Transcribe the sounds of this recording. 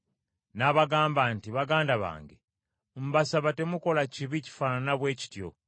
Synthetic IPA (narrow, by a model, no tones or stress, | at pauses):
naβaɡaːmbaːntiβaɡaːndaβa̰ːŋɡe | m̩basaβate̞muko̞laciβici̥faːnanaβwe̞ːci̥tjo̰